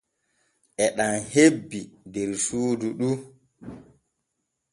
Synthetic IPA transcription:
ʔɛɗanhebːidɛɾsuːduɗu

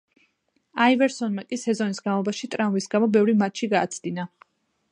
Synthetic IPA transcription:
aivɛɾsɔnmakʼisɛzɔnisɡ̥anvlˠɔbaʃit̪ʼɾaũvisɡamɔbɛvɾimat̪t͡ʃʃʰiɡaːt̪sʰd̪̥ina

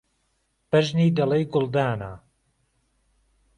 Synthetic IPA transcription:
b̥ɐʒniːd̪ɐlɐjɡʊlˠd̪aːna̰

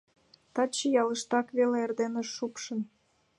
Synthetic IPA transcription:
t̪ɑt͡ɕəjɑləʃt̪ɑkβeleerd̪eneʃːupʃə̆n

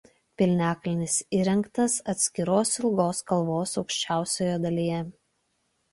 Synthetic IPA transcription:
pʲɪlʲnʲæːkɐlʲɪnʲɪsiːɾʲɛŋkt̪ɐsɐt̪ʲsʲkʲɪɾoːsɪlˠɡoːskɐlˠʋoːsɒʊkʃʲt͡ʃʲæˑʊsʲoːjɛd̪ɐlʲijɛ

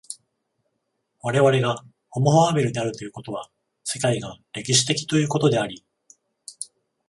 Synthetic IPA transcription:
βaɾe̞βaɾe̞ɡa | ho̞moɦoabeɾɯ̟ɲ̟iaɾɯ̟t̪o̞jɯ̟ko̞t̪o̞βa | se̞kaiɡaɾe̞kʲiɕi̥t̪e̞kʲi̥t̪o̞jɯ̟ːko̞t̪o̞d̪e̞aɾʲi

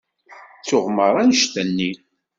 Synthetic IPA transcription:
t͡sːʊʁməɾˤænʃt̪ænːi

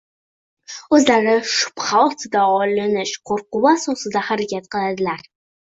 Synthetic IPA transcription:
ɵzlaɾɪʃʊ̥pχalˠt̪ʰd̪aɒlɪnɪʃqʰoɾqʊwaːsɒsɪd̪ahaɾakʲʰat̪qɨlˠad̪ɪlaɾ

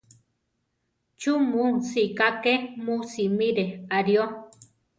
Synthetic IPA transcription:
t͡ʃumusikakemusimiɾeaɾjo

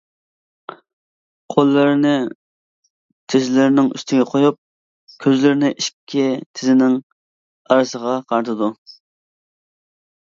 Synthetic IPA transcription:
qʰolˠːɨɾnɪ | t̪ʰɪzɪlɪɾɪnɪŋy̰st̪ɪɡʲɛqʰojup̚ | kʲʰøzlɪɾɪnɪʔiʃkʲʰːit̪ʰɪzɪnɪŋ | ɑɾɨsəʁɑqʰɑɾt̪ʰɨd̪u

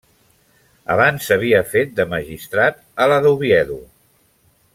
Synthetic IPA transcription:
ə̰βansːəβ̞iəfet̪̚d̪əməʒist̪ɾat̪̚ələðuβiɛðu

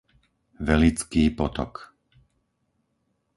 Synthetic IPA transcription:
ʋɛlit͡skiːpɔt̪ɔ̰k

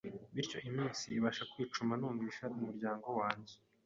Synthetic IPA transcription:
βiɾco̞ʔimiːnsiːβaʃakwiːt͡ʃumanuːɱviːʃaumuɾɟaːŋɡo̞waːɲɟe

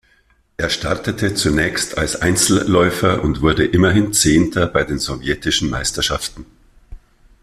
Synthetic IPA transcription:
ʔeːɐʃtʰaɐtətʰət͡sunɛːçstʰa̰lsʔa̰ɪnt͡sl̩ːɔʏfɐʔʊntv̥ʊɐdəʔɪmɐɦɪnt͡seːntʰɐbaɪdeːnzovjɛtɪʃn̩ma̰ɪstɐʃaftn̩

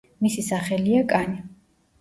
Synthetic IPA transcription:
misisaχɛliakʼani

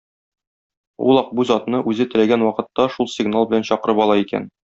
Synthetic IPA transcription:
ṵlˠɒq̚buzɒt̪nɤʔʉzɘt̪ɘ̆læɡænwɒqɤ̆t̪ːɑʃulˠsʲɪɡnalˠbɘ̆lænɕɒqɤ̆ɾɤpɒlˠɑikæ̰n

